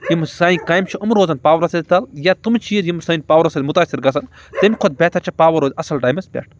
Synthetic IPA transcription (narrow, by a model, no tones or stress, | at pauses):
jimsaːĩkaːjmt͡ʃʰuɐmuɾoːzɐnpaːʋɐɾɐsɐt̪ɐljat̪umt͡ʃʰiːzjimsɐːinʲpaːʋɐɾɐsɐd̪ʲmut̪aːsiɾɡɐs̬ɐn | t̪emikʰod̪̚bʲeːt̪ʰɐt͡ʃʰɐpaːʋɐɾoːzʲɐsɐlʈaːjmɐspʲḛʈʰ